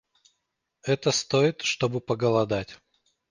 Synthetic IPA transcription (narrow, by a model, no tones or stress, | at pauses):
ɛt̪əst̪oɪt̪ʂt̪o̞bɨpəɡəlˠɐd̪atʲ